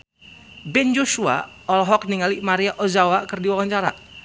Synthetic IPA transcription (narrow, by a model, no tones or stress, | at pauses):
bɛnd͡ʒoʃua̰ | ɔlɦɔk̚niŋalimaɾiaʔɔzawakərdiwawaɲt͡ʃaɾa̰